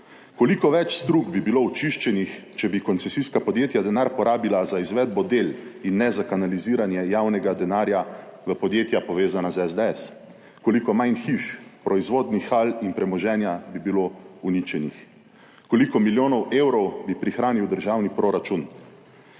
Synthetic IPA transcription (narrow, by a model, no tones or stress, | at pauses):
kolikɔʋɛt͡ʃst̪ɾuɡbibilout͡ʃiʃt͡ʃɛnixt͡ʃɛbikɔnt̪sɛsiskapɔd̪jeːt̪jad̪ɛnaːɾpɔɾʔaːbilazaizʋɛːd̪̚bɔd̪eːlinːɛzakanaliziːɾanjɛjaːwnɛɡad̪ɛnaːɾjaʋəpɔd̪jeːt̪japɔʋeːzanazɛzd̪ɛɛs | kolikɔmajnxiʃpɾʔɔizʋoːd̪nixalinpɾɛmɔʒɛːnjabibilounit͡ʃɛnix | kolikɔmiljoːnɔweːwɾɔwbipɾixɾaːniwd̪əɾʒaːwnipɾoɾat͡ʃun